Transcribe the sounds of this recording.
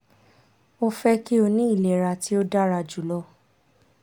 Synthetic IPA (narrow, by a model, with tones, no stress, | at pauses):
o˦fɛ˦ki˦o˧nĩ˦i˦˨lɛ˨ɾa˨ti˦o˦da˦ɾa˧d͡ʒu˨lɔ˧